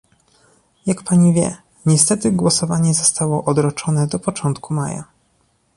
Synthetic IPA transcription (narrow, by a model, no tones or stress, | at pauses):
jakpaɲivʲjɛ̰ | ɲɛst̪ɛt̪ɘɡwɔsɔvaɲɛzɔst̪awɔʔɔd̪ɾɔt͡ʂɔnɛd̪ɔpɔt͡ʂɔnt̪kʰumaja̰